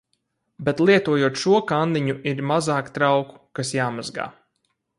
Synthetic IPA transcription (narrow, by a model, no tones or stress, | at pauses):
bet̪lˠiɛt̪uɔjuɔt̪ʃuɔkand̪iɲuʔiɾmazaːkt̪ɾawku̥kasjaːmazɡa̰ː